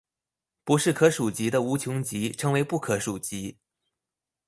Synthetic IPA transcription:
pu˧˥ʂɻ̩˥˩kʰɤ˧˥ʂu˨˩t͡ɕi˧˥d̪ə˧u˧˥t͡ɕʰjʊ˧˥ŋt͡ɕi˧˥ʈ͡ʂʰɤ˧˥ŋwe˧˥ɪpu˥˩kʰɤ˧˥ʂu˨˩t͡ɕi˧˥

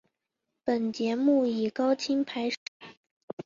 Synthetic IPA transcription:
pə˨˩nt͡ɕjɛ˧˥mu˥˩i˨˩kɑ˥ʊt͡ɕʰi˥ŋpʰa˧˥ɪʂ

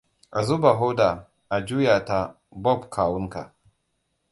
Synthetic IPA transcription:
ʔa˨zu˦ba˨ɦɔ˦da˨ | ʔa˨d͡ʒuː˦ja˨ta˨ | bɔ˦˨bkʰaː˨wʊ˦ŋka˨

